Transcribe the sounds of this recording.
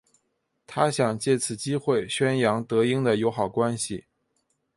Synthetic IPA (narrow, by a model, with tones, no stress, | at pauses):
t̪ʰa˥ɕjɑ˨˩ŋt͡ɕjɛ˥˩t͡sʰɹ̩˨˩t͡ɕi˥xwe˥˩ɪɕɥɛ˥njɑ˧˥ŋt̪ɤ˧˥i˥ŋd̪ə˨jo˧˥ʊxɑ˨˩ʊkwa˥nɕḭ˨˩